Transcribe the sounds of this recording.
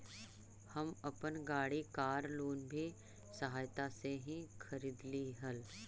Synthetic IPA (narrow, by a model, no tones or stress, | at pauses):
hɐmɐpənɡaːɽikaːɾloːnbʱi | səɦaːjt̪aseɦĩkʰəɾiːd̪liɦɐl